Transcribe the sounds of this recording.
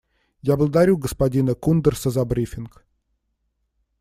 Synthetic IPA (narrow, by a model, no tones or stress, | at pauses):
jablˠəd̪aɾʲuɡəspadʲinəkund̪ərsəzɐbɾʲifʲɪnk